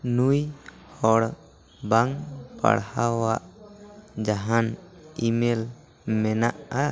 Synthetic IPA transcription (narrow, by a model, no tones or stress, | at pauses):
nuj | hɔɽ | baŋpa̰ɽhawaʔ | d͡ʒaɦanimɛl | mɛnaʔa